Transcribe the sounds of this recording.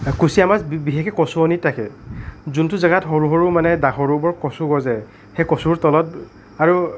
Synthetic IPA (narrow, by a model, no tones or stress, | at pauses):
kusiamasbiɦekɛkɔsuɔnitʰːakɛ̰zuntuzaɡatɦɔɹuɦɔɹumanɛdaxɔɹubɔɹkɔsuɡɔzɛ | xejkɔsuɹtɔlɔt̚ | aɹu